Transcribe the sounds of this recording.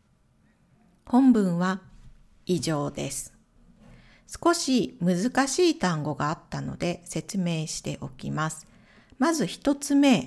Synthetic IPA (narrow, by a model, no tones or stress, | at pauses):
hõ̞mbɯ̟̃ɰ̃βa | iʑo̞ːd̪e̞sɨ̥ | sɨ̥ko̞ɕimɯ̟zɨkaɕiːt̪ãŋɡo̞ɡaːt̪ːano̞̰d̪e̞se̞t͡sɨme̞ːɕi̥t̪e̞ʔo̞kʲḭmasɨ̥ | mazɨçi̥t̪o̞t͡sɨme̞